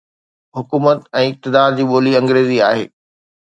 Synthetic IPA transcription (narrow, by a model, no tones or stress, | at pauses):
ɦʊkuːmət̪ɛ̃ːɪk̚t̪ɪd̪aːɾd͡ʑiːɓoːliɐ̃ŋɡɾeːzia̰ːɦeː